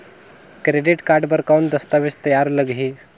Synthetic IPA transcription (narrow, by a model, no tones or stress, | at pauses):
kɾeɖiʈkaɾɖbəɾkawnd̪əst̪aʋest̪əjaɾləɡʱɦi